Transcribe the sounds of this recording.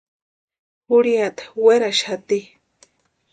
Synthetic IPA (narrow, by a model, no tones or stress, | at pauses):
huɽiat̪ḁweɾaʃat̪i